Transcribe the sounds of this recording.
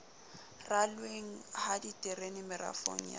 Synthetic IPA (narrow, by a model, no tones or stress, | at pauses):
ralweŋ̩haditʼɪrenɪmɪra̰fo̰ŋ̩ja̰